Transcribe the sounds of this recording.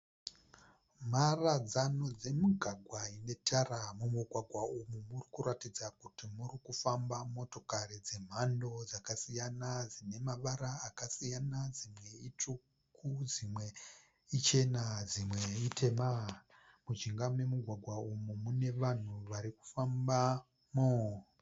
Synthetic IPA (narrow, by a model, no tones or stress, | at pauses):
m̤arad͡zano̞d͡ze̞muɡʱaɡʱwaine̞tʰaramumuɡʱwaɡʱwaumumurikuɾatid͡zakutimurikufambamo̞to̞karid͡ze̞m̤ando̞d͡zakasijanad͡zine̞maʋaɾaːkasijanad͡zimwe̞it͡ʂu | kʰud͡zimwe̞ | it͡ʃe̞nad͡zimwe̞itʰe̞ma | mud͡ʒiŋɡamwe̞muɡʱwaɡʱwaumumune̞ʋan̤uʋaɾiku̥famba | mo